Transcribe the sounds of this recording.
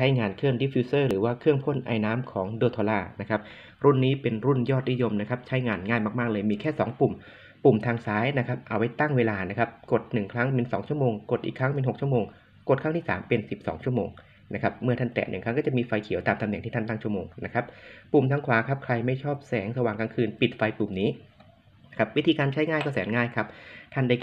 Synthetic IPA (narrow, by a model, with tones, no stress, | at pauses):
t͡ɕʰa˦˥jŋaː˧nkʰɯ˥˩əndi˦˥fʰiː˧˥sɤː˥˩ɾɯː˩˦waː˥˩kʰɯ˥˩əŋpʰo˥˩nʔa̰ː˧jnaː˦˥mkʰɔː˩˦ŋdoː˧t̪ʰoː˧laː˧˥˩na˦˥kʰa˦˥p̚ | ɾu˥˩nːiː˦˥pe˧nɾu˥˩njɔː˥˩t̪̚ni˦˥jo˧mna˦˥kʰa˦˥p̚t͡ɕʰa˦˥jŋaː˧nŋaː˥˩jmaː˧˩k̚maː˥˩k̚lɤː˧jmiː˧kʰɛː˥˩sɔː˩˦ŋpu˨˩m | pu˨˩mt̪ʰaː˧ŋsaː˦˥jna˦˥kʰa˦˥p̚ʔa˧wa˦˥jt̪a˥˩ŋweː˧laː˧na˦˥kʰa˦˥p̚ko˨˩t̪̚nɯ˨˩ŋkʰɾa˦˥ŋpe˧nsɔː˩˦ŋt͡ɕʰu˥˩əmoː˧ŋko˨˩t̪ʔḭː˨˩kʰɾa˦˥ŋpe˧nɦo˨˩k̚t͡ɕʰu˥˩əmoː˧ŋ | ko˨˩t̪̚kʰa˦˥ŋʰiː˥˩saː˩˦mpe˧nsi˨˩p̚sɔ̰ː˩˦ŋt͡ɕʰu˥˩əmoː˧ŋ | na˦˥kʰa˦˥p̚mɯ˥ɐt̪ʰa˥˩t̪ɛ̰˨˩nɯ˨˩ŋʰɾa˦˥kːɔː˥˩t͡ɕa˨˩ʔmiː˧fa˧jkʰi˨˩˦wt̪aː˧mt̪ʰa˧mɛ˨˩˦ŋt̪ʰiː˥˩˥nt̪a˥˩ŋt͡ɕʰu˥˩əmo̰ː˧ŋna˦˥kʰa˦˥p̚ːu˨˩mt̪ʰa˧˥ŋkʰwaː˨˩˦kʰa˦˥p̚kʰɾa˧jma˥˩jt͡ɕʰɔː˥˩p̚sɛː˩˦ŋsa˧waː˨˩ŋkaː˧ŋkʰɯː˧npi˨˩t̪̚fa˧jpu˨˩mniː˦˥ | na˥kʰa˦˥p̚wi˦˥t̪ʰiː˧kaː˧nt͡ɕʰa˦˥jŋaː˥˩jkɔ˥˩sɛː˩˦ŋŋaː˥˩jkʰa˦˥p̚t̪ʰa˥˩nda˥˩